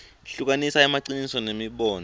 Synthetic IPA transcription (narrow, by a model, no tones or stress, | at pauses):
ɬuk̬anisaɛmaǀinisɔnemiɓɔːn